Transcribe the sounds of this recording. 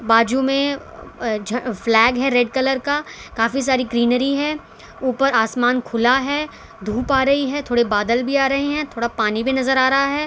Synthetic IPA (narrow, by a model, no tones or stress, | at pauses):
baːd͡ʒumẽ | d͡ʒflɛːɡɦɛɾeɖkɐləɾkakaːfis̬aːɾiɡɾiːnəɾiɦɛː | uːpəɾaːsmaːnkʰʊlaɦɛː | d̪ʱuːpaːɾɐɦiɦɛt̪ʰoːɽebaːd̪əlbʱiaːɾɐɦeɦɛ̃t̪ʰoːɽapaːnibʱinɐzəɾaːɾɐɦaɦɛː